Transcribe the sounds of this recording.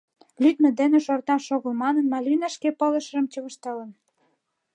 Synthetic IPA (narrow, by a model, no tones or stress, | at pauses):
lʲyd̪mə̆d̪enĕʃort̪ɑnʃoɣə̆lmɑnənmɑlʲinɑʃkepɤ̆lə̆ʃə̆rə̆mt͡ɕəβə̆ʃt̪ɑlə̆n